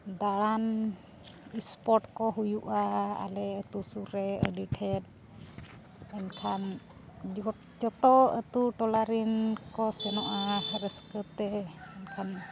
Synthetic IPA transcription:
d̪aɽan | ispɔʈkɔɦujuʔaa̰lɛət̪usuɾɛə̰ɖiʈʰɛt̪̚ | ɛnkʰan | d͡ʒɔt̪ɔət̪uʈɔlaɾinkɔsɛnɔʔaɾɛskət̪ɛɛnkʰan

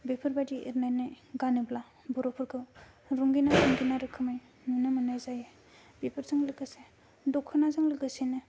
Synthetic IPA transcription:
bepʰɯɾbadiʔiɾnajnaj | ɡanɯbla | bɔɾopʰɯɾkʰɯw | ɾuŋɡinaɾuŋɡinaɾɯkʰɯmaj | nunɯmɯnajzaje | bepʰɯɾzɯŋlɯɡɯse | dɔkʰːɯnazɯŋlɯɡɯsenɯ

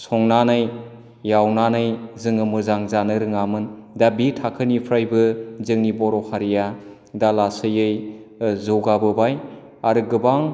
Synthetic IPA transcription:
sɔŋnanaj | jawnanɯjzɯŋɯmɯzaŋzanɯɾɯŋamɯndabitʰakʰɯnipʰɾajbɯzɯŋnibɔɾɔhʰaɾija | dalasɯjɯj | zɯwɡabɯbaj | aɾɯɡɯbaŋ

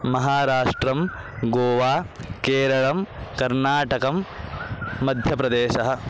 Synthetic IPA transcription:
mɐɦaːɾaːʂʈɾɐm | ɡoːʋaːkeːɾɐɭɐmkɐɾnaːʈɐkɐmː | ɐd̪ʱjɐpɾɐd̪eːʃɐɦɐ̆

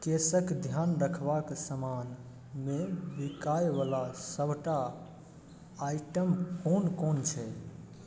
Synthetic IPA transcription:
kesəkd̪ʱjanɾəkʰbaksəman | mebikajʋalasəbʱʈa | iʈəmkonkont͡ʃʰɛ

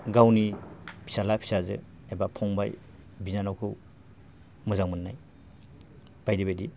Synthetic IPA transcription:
ɡawnipʰi̥salapʰi̥sazɯ̰ | ebapʰɔŋba̰j | binanawkʰɯw | mɯzaŋmɯnːaj | b̥ajdibajdi

